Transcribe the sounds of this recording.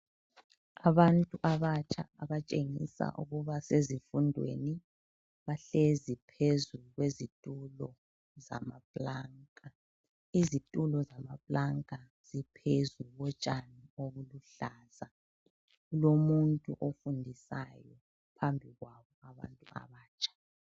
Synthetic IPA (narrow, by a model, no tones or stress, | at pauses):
aβantʼuʔaβat͡ʃʰʼa̰aβat͡ʃʼeŋisa̰ʔṵɣuβasezifundʱwḛni | βaɬezipʰezuɣwezitʼulɔ | za̰mapʼlaŋkʼa | izitʼulɔzamapʼlaŋkʼa | z̥ipʰezuɣɔt͡ʃʼanioɣuluɬaːz̥a | ɣulomuntʼṵʔofundʱisa̰jɔ | pʰambʱiɣwaβɔaβa̰ntʼua̰βaːt͡ʃʼḁ